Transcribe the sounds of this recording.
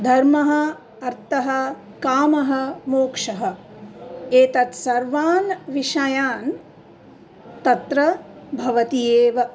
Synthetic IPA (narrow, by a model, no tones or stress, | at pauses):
d̪ʱɐɾmɐɦɐ̆ | ɐɾt̪ɐɦɐ̆ | kaːmɐɦɐ̆moːkʂɐɦɐ | eːt̪ɐt̪sɐɾʋaːnʋiʂɐjaːn | t̪ɐt̪ɾɐbʱɐʋɐt̪ijeːʋɐ